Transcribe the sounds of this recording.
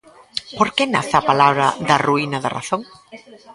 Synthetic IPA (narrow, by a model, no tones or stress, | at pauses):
poɾkenaθapalaβɾɐðɐruinɐðɐra̰θoŋ